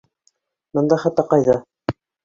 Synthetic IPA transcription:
mɤ̆nd̪ɑχæt̪ːɑqɑjðɑ

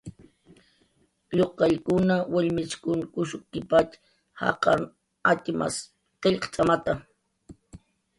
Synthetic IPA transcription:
ʎoqɑjkʊnawaʎmɪt͡ʃkʊŋkʊʃʊkːɪpat͡ʃ | hɑ̰qɑ̰n | at̪ɪma̰s | qeʎqt͡ʃʼamat̪a

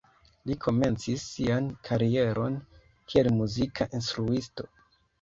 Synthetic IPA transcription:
likʰo̞me̞nt͡sisːiankʰaɾie̞ɾʔo̞n | kʰie̞lmuzikʰaʔinstɾuisto̞

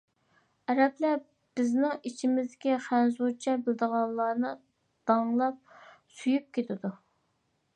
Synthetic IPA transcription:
ɛɾɛplæ | b̥ɪznɪŋit͡ʃʰimɪzd̪ɪkʲiχænzut͡ʃʰɛbɪld̪əʁɑlˠːɑːnɨ | d̪̥ɑŋlˠɑp̚syjyp̚kʲet̪ʰɪd̪u

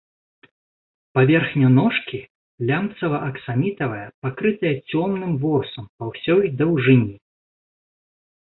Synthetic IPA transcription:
pavʲɛrxnʲunɔʂkʲi | lʲamt̪sɐvɐʔɐksamʲit̪ɐvɐjɐpakɾɨt̪ɐjɐt͡sʲɔmnɨmvɔrsɐmpawsʲɔjd̪ɐwʐɨnʲi

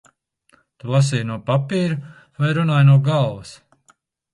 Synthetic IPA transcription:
t̪ulˠas̬ijnuɔpapiːɾu | vajɾunaːjnuɔɡalˠvɐs

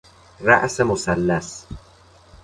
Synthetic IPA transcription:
ra̰ʔsemosælːæs

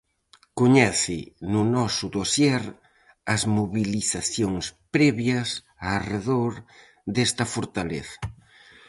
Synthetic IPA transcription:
koɲɛθɪnʊnɔsʊðosjɛɾ | ɐzmoβiliθaθjoŋspɾɛβjɐs | areðoɾ | d̪est̪ɐfoɾt̪aleθɐ̥

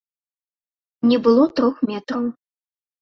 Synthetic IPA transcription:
nʲɛbɨlˠɔt̪ɾɔxmʲɛt̪ɾɐw

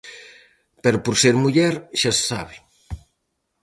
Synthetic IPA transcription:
pɛɾopoɾseɾmuʎɛɾʃassa̰βɪ

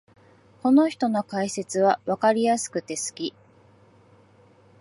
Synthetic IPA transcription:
ko̞no̞çi̥t̪o̞no̞kaise̞t͡sɨβ̞aβakaɾʲijasɨ̥kɯ̟t̪e̞sɨ̥kʲi

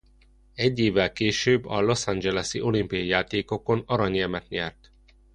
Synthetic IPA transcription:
ɛɟːeːvːɛlkeːʃøːbːɒlo̞sand͡ʒɛlɛsiʔo̞limpiɒjijaːt̪eːko̞ko̞nɒɾɒɲiɛmɛt̪ɲɛrt̪

